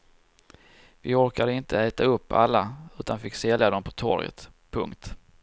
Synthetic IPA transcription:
vɪɔɾkad̪əɪnt̪ʰəɛːt̪aɵpːa̰lːaʉ̟ːt̪anfɪkːsɛljad̪ɔmpʰɔt̪ʰɔ̰ɾjə̰t̪pʰɵ̰ŋkt̪

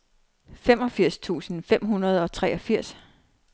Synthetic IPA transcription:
fem̰ɒ̽fiɐ̰st͡sʰṵːsn̩fem̰ɦunɐð̞ˠɒ̽t͡sʰʁɛːɒ̽fiɐ̰s

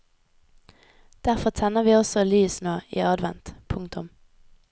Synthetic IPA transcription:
d̪̥æʁfɔt̪ʰɛnəʁʋiːɔsɔlyːsnoːiːɑd̪ʋɛ̰nt̪pʰʊŋt̪ʊm

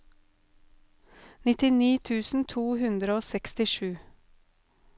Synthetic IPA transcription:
nɪt̪ɪniːt̪ʰʉːsn̩t̪ʰuːhʉnd̪ɾəoːsɛkst̪ɪʃʉː

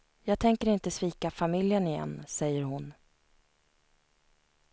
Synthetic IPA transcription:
jɑːɡ̚t̪ʰɛŋkəɾɪnt̪əsviːkafamɪljənɪjɛ̰nːsɛjːəɾhʊn

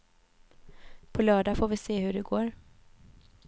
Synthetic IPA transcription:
pʰɔlœːɖafoːvɪseːhɵɖɛɡoːɾ

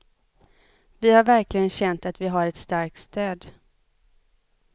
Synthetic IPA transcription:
vɪhaɾvæɾklɪɡənɕɛnt̪at̪vɪɦaɾɛt̪st̪aɾk̚t̪st̪øːd̪

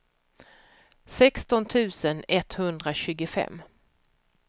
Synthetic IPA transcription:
sɛkst̪ɔnt̪ʰʉ̟ːsənɛt̪hɵnd̪ɾaɕʉ̟ːɡəfɛ̰mː

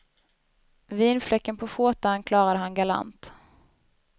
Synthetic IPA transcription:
viːnflɛkːənpʰɔɧoːt̪ankʰlɑːɾad̪əɦanɡala̰nt̪

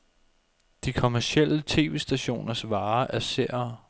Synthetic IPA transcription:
d̥ikʰo̝mæɐsel̰ət͡sʰe̝̰ːʋe̝̰ːsd̥æɕo̝̰ːnɐsʋɑ̈ːʔæɐseɐ̰ɐ

